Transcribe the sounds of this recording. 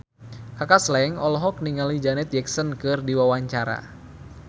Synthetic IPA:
kakaslɛŋɔlɔɦɔk̚niŋalid͡ʒanɛt̪̚d͡ʒɛksənkɨrdiwawaɲt͡ʃaɾa̰

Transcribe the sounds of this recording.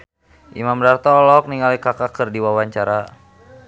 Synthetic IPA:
ʔḭmamdart̪ɔlɔk̚niŋalikakakərdiwawaɲt͡ʃaɾa

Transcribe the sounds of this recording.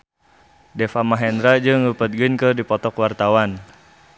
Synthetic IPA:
dɛfamaɦɛndɾad͡ʒəŋəpət̪̚ɡənkədipɔt̪ɔkwart̪awan

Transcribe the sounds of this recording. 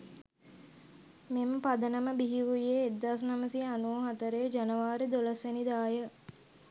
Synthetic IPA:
meməpad̪ənəməbiɦiɾujeːd̪ːaːs̬naməsianuoɦat̪əɾejəd͡ʒanəʋaːɾid̪olɐsʋenid̪aːjə

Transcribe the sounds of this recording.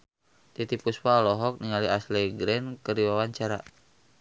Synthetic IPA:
t̪it̪ipuspalɔɦɔk̚niŋaliaslɛɡɾɛnkərdiwawaɲt͡ʃaɾa

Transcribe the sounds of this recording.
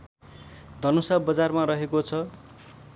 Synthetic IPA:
d̪ʱʌnosabʌd͡zarmaɾʌɦekot͡sʰʌ

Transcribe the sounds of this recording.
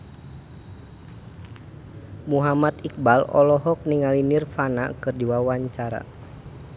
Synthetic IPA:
muɦamat̪ik̚balɔ̰lɔɦɔk̚niŋalinirfana̰kɨrdiwawaɲt͡ʃaɾa̰

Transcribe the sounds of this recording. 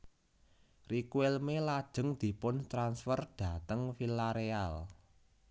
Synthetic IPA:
rikuelmelad̥ʒ̥ə̤ŋd̪̥i̤pʊnt̪ɾansfərd̥ä̤t̪əŋfilaɾeal

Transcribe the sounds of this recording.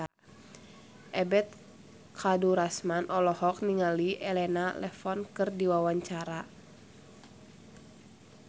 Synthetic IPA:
a | ʔɛbɛt̪̚ | kʰaduɾasmanʔɔlɔhɔk̚niŋaliʔɛlɛnalɛfɔnkɨrdiwawaɲt͡ʃaɾa

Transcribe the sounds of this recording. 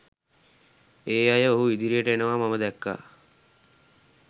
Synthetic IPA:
eːajəoɦuʋid̪iɾijəʈəenəʋaːmaməd̪ækːa̰ː

